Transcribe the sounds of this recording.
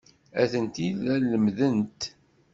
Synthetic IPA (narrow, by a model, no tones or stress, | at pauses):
æθənt̪iðælːəmðənt̪